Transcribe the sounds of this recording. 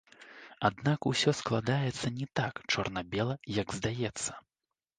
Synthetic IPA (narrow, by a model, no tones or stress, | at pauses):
ad̪nakusʲɔsklˠad̪ajɛt̪sːɐnʲɛt̪akt͡ʂɔrnɐbʲɛlˠɐjɐɡzd̪ajɛt̪sːɐ̥